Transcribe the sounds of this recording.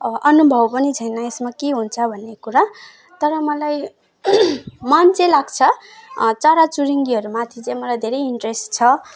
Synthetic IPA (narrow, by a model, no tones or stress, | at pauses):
ʔʌnubʱʌwpʌnit͡sʰʌjnʌesmakeɦunt͡sʰʌbʱʌnːekuɾa | t̪ʌɾʌmʌlaj | mʌnt͡sẽlaɡt͡sʰʌ | t͡saɾat͡suɾiŋɡiɦʌɾumat̪ʰit͡sãj̃mʌlajd̪ʱeɾʌjiɳʈresʈt͡sʰʌ